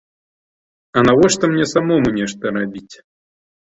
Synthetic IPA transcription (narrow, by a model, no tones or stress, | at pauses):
ɐnavɔʂt̪ɔmnʲɛsamɔmunʲɛʂt̪ɐɾabʲit͡sʲ